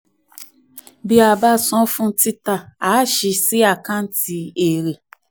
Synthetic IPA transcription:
bi˦a˧ba˦sɔ̃˦fũ˦ti˦ta˧˨aː˨˦ʃi˧si˦a˦˨kã˦n̩˦ti˧e˨ɾe˨

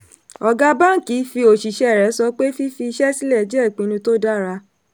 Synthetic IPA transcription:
ɔ˧ɡa˦ba˦˨ki˨˦fi˧o˨ʃi˨ʃɛ˨˦˨ɾɛ˨˦sɔ˧k͡pe˦fi˦fi˧i˧ʃɛ˦si˦lɛ˦˨d͡ʒɛ˦˨k͡pĩ˨˦nũ˧to˦da˦ɾa˧

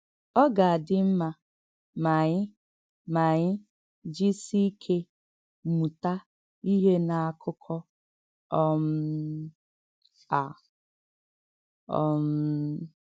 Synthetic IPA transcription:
ɔ˦ɡa˨a˨dɪ˦m̩˦ma˦ | ma˨ɲɪ˦ | ma˨ɲɪ˦ | d͡ʒi˦si˦kʰe˦ | mu˨ta˦ | i˦ɦe˦na˨a˨kʰʊ˦kʰɔ˦ | ɔ˦m̩˦ | a˨ | ɔ̰˦m̩˦

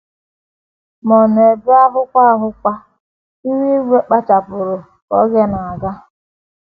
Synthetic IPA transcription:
mɔ˨n˨e˨bʊ˦a˦ɦʊ˦kʷa˦ɦʊ˦kʷa˦ | i˦wi˦ɡʷe˦k͡pa˦t͡ʃa˨pʊ˨ɾʊ˨ | ɔ̰˦ɣe˦na˨a˨ɡa˦

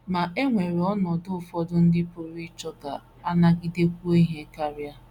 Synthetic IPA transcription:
ma˨ʔe˦ŋʷe˨ɾɔ˦nɔ˨dʊ˦ʊ˨fɔ˦dʊ˦n̩˦dɪ˦po˨ɾi˦t͡ʃɔ˦ka˨ | a˦na˦ɡɪ˦de˦kʷu˦ɦe˦ka˦ɾja˦

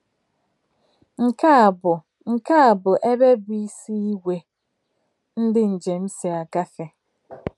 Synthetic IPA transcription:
ŋ̩˨ka˦˨bʊ˨ | ŋ̩˨ka˦a˨bʊ˨ʔe˦be˦bi˦si˦i˦wʷe˨ | n̩˦dɪ˦n̩˨d͡ʒe˨m̩˦si˨a˨ɡa˦fe˨

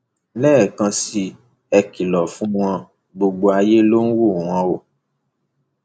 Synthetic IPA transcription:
lɛː˦˨kã˧si˧ | ɛ˧ki˨lɔ˨fũ˦w̃ɔ̃˧ | ɡ͡bo˧ɡ͡bo˧a˧je˦lo˦n̩˦wo˦˨w̃ɔ̃˧˦wo˨

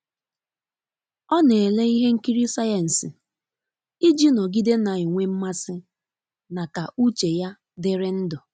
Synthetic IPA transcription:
ɔ˦ne˨le˦i˦ɦe˦ŋ̩˦ki˦ɾi˦sa˦ja˨n̩˨sɪ˨ | i˦d͡ʒi˦nɔ˨ɡi˦de˦na˨i˨ŋʷe˦m̩˦ma˦sɪ˦ | na˨ka˨u˦t͡ʃe˨ja˦ | dɪ˦ɾe˦n̩˦dɔ˨

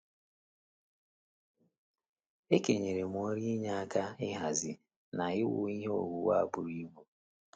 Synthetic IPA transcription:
e˦ke˨ɲe˨ɾe˨m˨o˦ɾi˦ɲa˦a˦ka˦ɪ˦ɦa˨zɪ˨ | na˨ɪ˦wʊ̰˦˨i˦ɦe˦o̰˨ɡu˨wa˦a˨bʊ˨ɾi˦mu˦

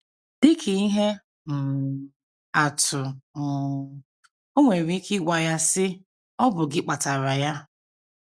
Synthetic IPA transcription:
dɪ˦kʰɪ˨i˦ɦe˦ | m̩˨ | a˨tʰʊ˨ | o˦ŋʷe˨ɾi˦kɪ˦ɡʷa˨ja˦sɪ˦ | ɔ˦bʊ˨ɡɪ˦k͡pa˨ta˨ɾa˨ja˦

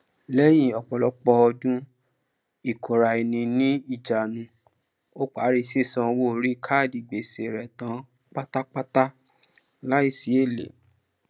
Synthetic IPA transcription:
lɛ˦j̃ĩ˦˨ɔ˨k͡pɔ˨lɔ˨˦k͡pɔ˧ɔ˧dũ˦ | i˦˨kʰo˨ɾa˨i˨nĩ˧nĩ˦i˦˨d͡ʒa˨nũ˧˦ | o˦k͡pa˨˦ɾi˧se˦˨sã˧wo˦˨ɾi˦kʰa˦˨di˨ɡ͡be˨se˨ɾɛ˨tã˨˦ | k͡pa˦ta˦k͡pa˦ta˦ | la˦i˦˨si˨˦e˦˨lḛ˨

